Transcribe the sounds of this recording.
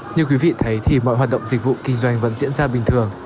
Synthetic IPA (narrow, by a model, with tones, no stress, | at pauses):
ɲɨ˧kwi˨˦vḭ˧˨t̪ʰə˨˦jt̪ʰi˨˩mɔ̰˧˨jhwaː˨˩t̚ɗə̰˧˨wŋ͡mzi˨˩k̟̚vṵ˧˨kï˧ŋ̟zwa˧jŋ̟və̰˧˥nzḭ˧˥ənzaː˧ɓï˨˩ŋ̟t̪ʰɨ˨˩əŋ